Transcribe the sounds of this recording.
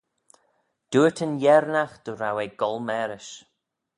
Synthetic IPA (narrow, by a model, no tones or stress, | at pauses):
d̪̥uːətʰənjɛɾnaxd̪̥əɾaweɡɔlˠmɛɾɪʃ